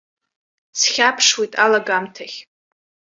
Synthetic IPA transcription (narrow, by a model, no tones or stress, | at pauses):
sχʲapʰʂwejtʼalaɡamtʰaχʲ